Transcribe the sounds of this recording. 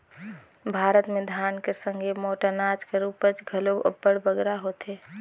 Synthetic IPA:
bʱaːɾət̪mẽd̪ʱjaːnkesə̃ŋɡʱemoːʈənat͡ʃkeɾuːpət͡ʃɡʱəloə̰bəɽbəɡɾaɦot̪eː

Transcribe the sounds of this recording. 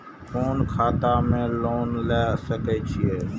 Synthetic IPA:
foːnkʰaːt̪aːmẽːloːnlɛːsəkeːt͡ʃʰɪeː

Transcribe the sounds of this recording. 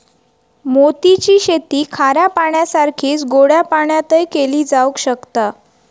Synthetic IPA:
mot̪it͡ɕiːɕet̪iːkʰaɾjapaɳjasaɾkʰiːt͡sɡoɽjapaɳjat̪əjkeliːd͡zaukɕəkt̪a

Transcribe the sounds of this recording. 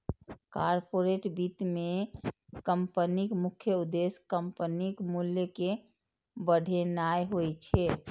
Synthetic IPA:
kaɾpoɾeʈbit̪me | kəmpənikmukʰjəud̪eskəmpənikmuljəke | bəɽʱenajɦojt͡ʃʰɛ

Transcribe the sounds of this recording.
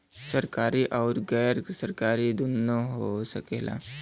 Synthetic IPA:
səɾkaɾiʔɔʊɾɡɛjəɾsəɾkaɾid̪unːəɦosəkelʔa̰

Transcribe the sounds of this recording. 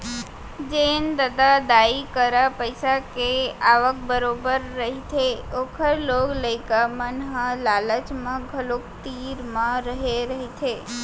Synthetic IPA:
d͡ʒend̪əd̪ad̪aikəɾapəjsakeaʋək̚bəɾobəɾːəɦit̪ʰeokʰəɾloɡləjkamənɦə̃lalət͡ʃmãɡʱəlok̚t̪iɾmãɾəɦeɾəɦit̪ʰe

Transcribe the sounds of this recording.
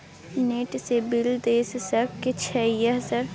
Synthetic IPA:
neːʈsebɪld̪eːssəkket͡ʃʰɛjaɦsaɾ

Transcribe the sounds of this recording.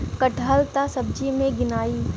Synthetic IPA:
kəʈʰəlt̪asɐb̚d͡ʒimẽɡɪnaːi

